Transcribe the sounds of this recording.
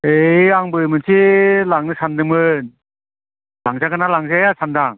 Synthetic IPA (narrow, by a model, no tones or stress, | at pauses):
ejaŋbɯjmɯnsʰilaŋnɯsandɯmɯn | laŋzaɡanalaŋzajasandaŋ